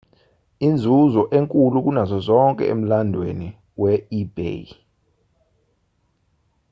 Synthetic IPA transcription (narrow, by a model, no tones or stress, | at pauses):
ind͡zʱuzɔʔeŋkʼuluk̬unazɔzɔŋkʼɛ̰ḛm̩landʱwḛni | wɛib̥ḛ